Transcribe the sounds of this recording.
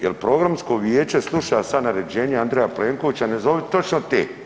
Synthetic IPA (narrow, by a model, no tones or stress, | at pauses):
jelpɾo̞ɡɾamsko̞ʋjeːt͡ʃe̞slˠuʃasanaɾe̞d͡ʑe̞ːɲeand̪ɾejapleːŋkoʋit͡ɕane̞zo̞ʋet̪o̞t͡ʃnot̪eː